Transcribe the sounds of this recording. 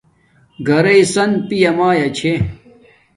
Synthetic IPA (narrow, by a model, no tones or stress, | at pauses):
ɡɐɾɐisɐnpijɐmaːjɐt͡ɕʰe